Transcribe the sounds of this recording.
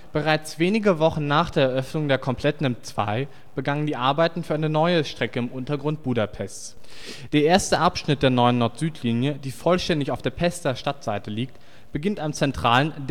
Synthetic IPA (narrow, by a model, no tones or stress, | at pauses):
b̥əʁ̞aɪt͡sv̥eːnɪɡəvɔχn̩naːχd̥eːɐɛɐʔœfnʊŋdeːɐkʰɔmpʰl̥ɛtn̩ɪmt͡sv̥a̰ɪ | b̥əɡaŋəndiːʔaɐbaɪtn̩fyːɐʔaɪnənɔʏəʃtʁ̥ɛkəɪmʔʊntɐɡʁʊnt̚b̥uːdapʰɛstt͡s | d̥eːɐʔeːɐstəʔapʃnɪt̚d̥eːɐnɔʏənːɔɐtz̥yːtʰliːnjəd̥iːfɔlʃtɛndɪçaʊfd̥eːɐpʰɛstɐʃtatz̥aɪtəliːk̚t | b̥əɡɪntamt͡sɛntʁ̥aːlənd